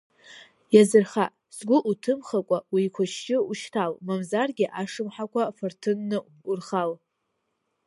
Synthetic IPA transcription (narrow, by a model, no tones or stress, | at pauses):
jazɨrχa | sɡʷʊʔutʰɨmχakʷʼawikʷʰaʃt͡ʃʼɪuʃtʰalmamzarɡʲɪʔaʂɨmħakʷʰafɨrtʰɨnːɨ | urχal